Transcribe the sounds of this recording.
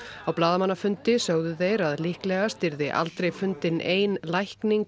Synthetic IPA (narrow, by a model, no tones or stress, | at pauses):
awplaːðamanːafʏnt̪ɪsœɣðʏθejɾaðlihklɛɣast̪ɪɾðɪʔa̰lt̪ɾejfʏnt̪ɪneːjnlajhkniŋk